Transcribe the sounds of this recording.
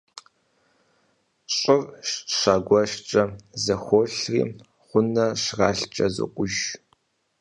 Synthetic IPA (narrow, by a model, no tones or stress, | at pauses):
ɕʼɪrʃɕaːɡʷɔʃt͡ʃʼɐzɐxʷoɬrḭː | χʷʊnɐʃrɑːɬt͡ʃʼɐzɨ̰qʷʼʊʒ